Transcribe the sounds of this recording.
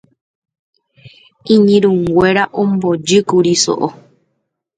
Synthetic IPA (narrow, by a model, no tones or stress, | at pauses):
ĩɲĩɾũŋɡʷeɾaʔõmbod͡ʒɨkuɾiso̰ʔo